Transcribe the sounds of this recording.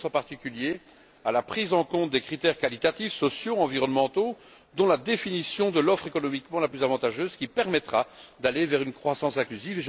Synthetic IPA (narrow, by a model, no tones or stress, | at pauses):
sɑ̃paʁt̪ikʲylje | alapχizɑ̃kɔ̃t̪̚d̪ekχit̪ɛʁkalit̪at̪ifsɔsjoɑ̃viʁɔnmɑ̃t̪o | d̪ɔ̃lad̪efinisjɔ̃d̪əlɔfχekɔnɔmikmɑ̃laplyzavɑ̃t̪aʒøzkʲipɛʁmɛt̪χad̪alevɛʁynkχwasɑ̃sɛ̃klyziveʒ